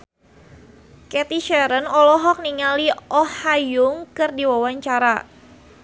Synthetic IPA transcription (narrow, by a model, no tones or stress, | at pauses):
kɛt̪iʃɛɾənɔlɔɦɔk̚niŋaliɔhajʊŋkɨrdiwawaɲt͡ʃaɾa